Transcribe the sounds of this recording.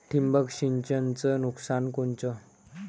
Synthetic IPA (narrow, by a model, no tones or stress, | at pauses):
ʈ̪ʰimbəkɕiɲt͡ɕənt͡sənuksankont͡ɕə